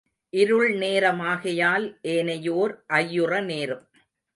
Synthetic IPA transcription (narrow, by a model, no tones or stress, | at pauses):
ʔɪɾɯɭneːɾɐmaːɣɐjaːlʔeːnɐjoːɾʔɐjːɯrɐneːɾɯm